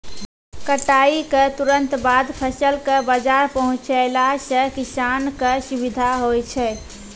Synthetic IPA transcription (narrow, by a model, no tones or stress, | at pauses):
kəʈaikət̪uɾənt̪bad̪pʰəsəlkəbəd͡ʒaɾpəɦũt͡ʃəɪlasə̃kisankəsubid̪ʱaɦojt͡ʃʰɛ